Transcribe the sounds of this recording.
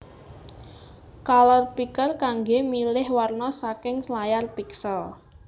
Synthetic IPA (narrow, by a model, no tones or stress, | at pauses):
kalɔrpikərkaŋɡemilɪhwarnɔsakɪŋslajarpiksəl